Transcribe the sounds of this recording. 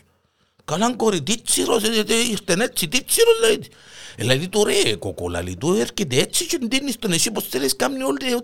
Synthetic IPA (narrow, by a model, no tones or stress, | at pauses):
kalaŋkoɾit̪it͡ʃiɾos̬eeteiɾt̪enet͡ʃit̪it͡ʃiɾolai | eladit̪uɾeko̰ko̰la̰lḭt̪ueɾkid̬et͡ʃit͡ʃund̪inist̪onesiposteɾeskamniold̪e